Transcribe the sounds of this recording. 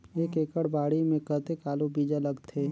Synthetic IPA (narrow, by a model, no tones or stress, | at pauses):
eːkeːkəɽbaːɽimẽkət̪ekaːlubiːd͡ʒaləɡt̪ʰeː